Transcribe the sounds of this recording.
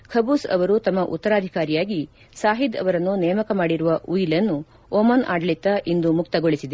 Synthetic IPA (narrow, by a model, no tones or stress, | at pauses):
kʰɐbuːsɐ̰ʋɐɾut̪ɐmːɐʔṵt̪ːɐɾaːd̪ʱikaːɾijaːɡi | saːɦid̪ɐ̰ʋɐɾɐnːunɛːmɐkɐmaːɽiɾuʋɐʔujilɐnːu | omɐnʔa̰ːɖlit̪ːɐʔind̪umuk̚t̪ɐɡoɭisid̪e